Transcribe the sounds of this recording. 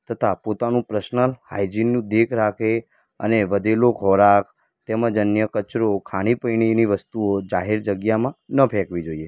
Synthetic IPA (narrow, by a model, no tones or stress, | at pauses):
t̪ʰət̪ʰapot̪anũpɾəʃnəlhajd͡ʒinːũd̪ekʰɾakʰe | ə̰neʋəd̪ʱeloɡʱɔɾak | t̪emə̃d͡ʒənjəkət͡ʃɾokʰaɽ̃ipəjɳ̃iniʋəst̪uod͡ʒaɦeɾd͡ʒəɡjamãnəpʰɛkʋid͡ʒoie